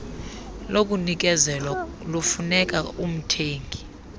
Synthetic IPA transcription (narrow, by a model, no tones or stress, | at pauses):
lok̬ʼunik̬ɛzɛlwa | lufunɛk̬ʼaum̩tʰeːŋɡʱi